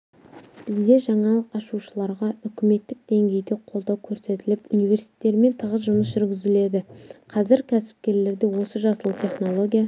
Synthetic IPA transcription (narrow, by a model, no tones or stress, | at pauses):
b̥ɪzd̪e̞ʒɑɴɑlˠəqɑʃuʃəlˠɑɾʁɑʏkʲɪme̞t̪ːɪk̚d̪e̞ŋɡʲe̞jd̪e̞qʰo̞lˠd̪ɑwkʲʰɵɾse̞t̪ɪlɪpunijve̞ɾsi̥e̥t̪ːe̞ɾme̞nt̪ʰəʁəzʒʊməsʒʏɾɡʲɪzɪle̞d̪ɪqʰɑzɪɾkʲʰæsɪ̥p̚kʲe̞ɾle̞ɾd̪e̞wo̞səʒɑsəlˠət̪ʰe̞χno̞lˠo̞ɡʲija